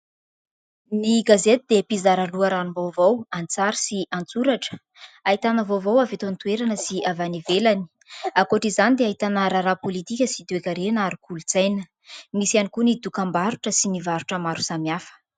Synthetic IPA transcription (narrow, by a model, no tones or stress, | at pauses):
niɡazet̪id̪epizaɾaluaɾanumbowvowant͡saɾisiʔant͡suɾaʈ͡ʂə̥ | ait̪anəvovowavet̪ant̪ueɾanəsiavanivelani̥ | akoʈ͡ʂizanid̪eaɦit̪anəɾaɾapolit̪ikʲəsid̪uekʲəɾenaɾikulut͡sajnə | misianikunid̪ukambaɾuʈ͡ʂəsinivaɾuʈ͡ʂəmaɾusamiafə̥